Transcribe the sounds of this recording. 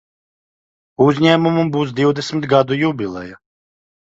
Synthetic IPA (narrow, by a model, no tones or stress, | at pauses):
uzɲæːmumumbuːsd̪iwd̪ɛsʲmʲɪt̪ɡad̪ujubʲilˠɛ̰ja